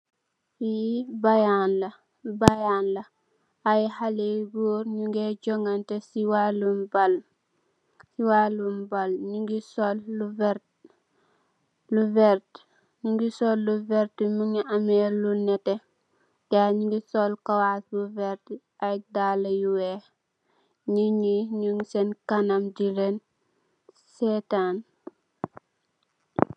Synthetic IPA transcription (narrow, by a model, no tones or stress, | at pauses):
fibajanlɐ | bajanlɐ | ajhaleɡuːɾɲuŋɡɛɟɔŋɡɐntɛsiwalumbal | siwaːlumbalɲuŋɡisɔlːuvɛ | luvɛrt | ɲiŋɡisɔlːuvɛɾtumuŋiʔamɛlunɛtɛ | jaːɲiŋɡisɔlkɐwasbuvɛɾt | aj̚dalɐjuwɛ | ɲiɲiɲuŋsɛnkanamd͡ʒiɾen | sɛtan